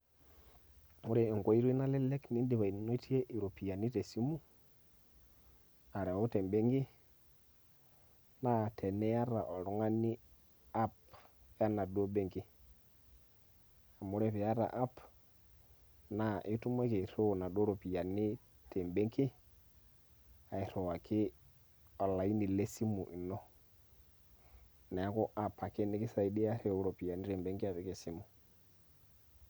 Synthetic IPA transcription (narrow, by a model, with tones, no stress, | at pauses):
mu˦ɾe˦˨i˨ŋɡo˦i˦ɾi˦na˦le˦le˦kni˦ndi˨βa˨i˨no˦i˦ti˦je˦ʔi˨ɾo˨pi˨ja˨ni˦te˨si˦mu˦ | a˨ɾe˨wo˦te˨mbe˦ŋɡi˦ | na˦˨tʰe˨ne˦ja˦ɾa˨ʔo˨ɾu˨˦ŋa˦ni˦ | a˦p | ja˦na˨do˦be˦ŋki˨ | a˨mu˦ɾe˦pi˨ja˦ɾa̰˨ʔa˦p | na˨ʔɪ˦tu˦m˦ɛ˦ke˨ɾo˦˨na˨do˦ɾo˨pi˨a˨nɪ˦ | tɛ˨mbɛ˦ŋkɪ˦ | a˨i˨ɾɔ˨a˨kʰɪ˦ | ɔ˨la˨i˦nɪ˨lɛ˦si˦mu˨ʔɪ˨nɔ˦ | na˨a˦kɔ˦ʔa˦˨pa˨kɛ˦nɪ˦kɪ˦sa˨i˦dɪ˦a˦ɾe˦˨˦ɾɔ˨pi˨ja˨nɪ˦ɾɛ˨mbɛ˨˦ŋɡɪ˦a˨βɪ˨˦kɛ˨si˦mʊ˨